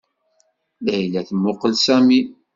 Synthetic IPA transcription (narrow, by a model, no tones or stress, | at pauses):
læjlæθmːʊqəlsæmi